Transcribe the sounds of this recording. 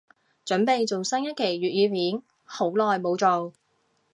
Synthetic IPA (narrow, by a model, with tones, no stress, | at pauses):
t͡ʃɵ˨˥npe˨jt͡so˨wsɐ˥ŋjɐ˥t̚kʰe˨˩jɥyː˨t̚jiː˨˧miː˨˥n | ho˨˥wlɔː˨jmo˨˧wt͡so˨˧w